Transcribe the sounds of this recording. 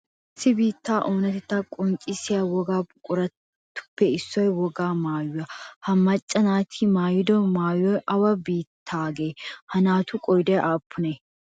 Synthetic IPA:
ɪsːɪbiːt̪ːaːʔoːnɐt̪ɛt̪ːɐkʼɔŋt͡ʃʼɪsɪjawɔɡaːbʊkʼʊɾɐ | t̪ːʊ̥pːɛɪsːɔjwɔɡaːmaːjʊɐhɐmɐt͡ʃʼːɐnaːt̪ʰɪmaːjɪd̪ɔmaːjɔjʔɐwɐbiːt̪ʰːaːɡeːhɐnaːt̪ʊkʼɔjd̪ɐjʔaːpʰːʊne

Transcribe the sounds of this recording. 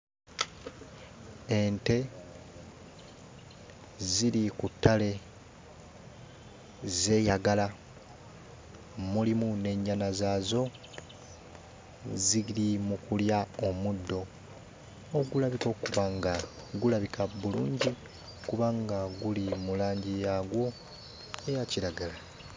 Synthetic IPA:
e̞nte̞ | zilikutʰːale̞ | ze̞ːjaɡala | mulimune̞ɲːanazaːzo̞ | ziɡilimukuljaomudːo̞ | ɡulaβiko̞kuβaŋɡaɡulaβikʰaβuluːɲɟi | kuβaŋɡaɡulimulaːɲɟijaɡwo̞ | ejaciɾaɡala

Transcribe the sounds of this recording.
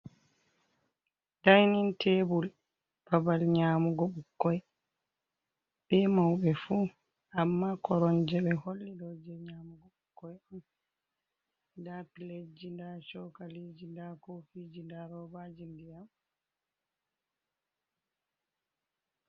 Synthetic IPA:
d̥ajnintʰebul | b̥abalɲaːmuɡɔɓukːɔj | ɓɛmawɓɛfu | ʔamːakɔɾɔnd͡ʒɛɓɛholːidɔd͡ʒɛɲaːmuɡɔɓukːɔjam | dapiled͡ʒindat͡ʃɔkaled͡ʒindakofid͡ʒindaɾɔbad͡ʒindijam

